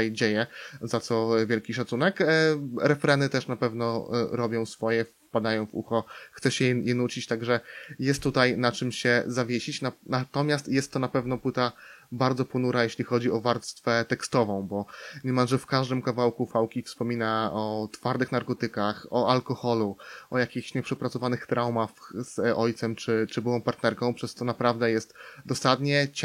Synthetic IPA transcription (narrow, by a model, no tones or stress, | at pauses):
jd͡ʑejɛzat̪sɔvʲjɛlkʲiʂat̪sunɛkɾɛfɾɛnɘt̪ɛʂnapɛvn̪ɔɾɔbʲjɔ̃w̃sfɔjɛf | pad̪ajɔ̃w̃vṵxɔxt̪sɛɕɛjjɛnut͡ɕit͡ɕt̪aɡʐɛjɛst̪ːut̪ajnat͡ʂɘmɕɛzavʲjeɕit͡ɕnanat̪ɔmʲjast̪jɛst̪ːɔnapɛvnɔpwɘt̪abaɾd̪zɔpɔnuɾajeɕlʲixɔd͡ʑiɔvaɾt̪st̪fɛt̪ɛkst̪ɔvɔ̃w̃bɔɲɛmamʐɛfkaʐd̪ɘmkavawkufawkʲifspɔmʲinaɔt̪faɾd̪ɘxnaɾkɔt̪ɘkaxɔalkɔxɔluɔjakʲixɕɲɛpʂɛpɾat̪sɔvanɘxt̪ɾawmafz̥ɔjt̪sɛmt͡ʂɘt͡ʂɘbɘwɔ̃w̃paɾt̪nɛɾkɔ̃w̃pʂɛst̪ɔnapɾavd̪ɛjɛst̪d̪ɔsad̪ɲɛt͡ɕ